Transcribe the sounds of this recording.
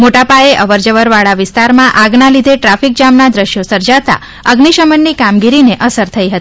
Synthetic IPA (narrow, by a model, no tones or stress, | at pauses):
moʈapaeʔəʋəɾd͡ʒəʋəɾʋaɭaʋɪst̪aɾmãʔaɡnalid̪ʱeʈɾafik̚d͡ʒamnad̪ɾəʃjosəɾd͡ʒat̪a̰ | əɡniʃəmənːikamɡiɾineʔəsəɾt̪ʰəiɦət̪i̥